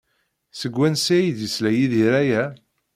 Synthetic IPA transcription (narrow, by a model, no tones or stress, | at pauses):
səɡʷːænsæjd̪jəslæjiðiɾæjæ